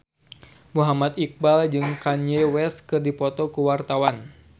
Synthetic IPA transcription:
muɦamat̪ik̚bald͡ʒɨŋkaɲewɛskɨrdipɔt̪ɔkuwart̪awan

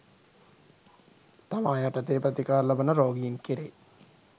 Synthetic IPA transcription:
t̪ɐʋaːjɐʈɐt̪eːpɾɐt̪ikaːɾlɐbɐnɐɾoːɡiinkiɾe

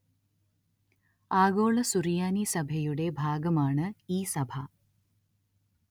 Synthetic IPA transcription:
aːɡoːɭɐsurijaːnisɐbʱɐjuɽe̞bʱaːɡɐmaːɳɨiːsɐbʱɐ

